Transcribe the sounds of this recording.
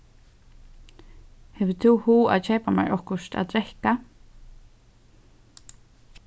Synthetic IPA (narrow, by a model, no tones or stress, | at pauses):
hɛvʏ̥t̪ʰuhuːa̰ðt͡ʃʰɛːjpama̰ɾʔɔhkʊʃt̪a̰ðt̪ɾɛhka